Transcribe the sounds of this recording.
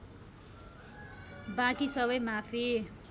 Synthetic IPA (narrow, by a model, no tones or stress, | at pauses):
bãkisʌβʌjmapʰi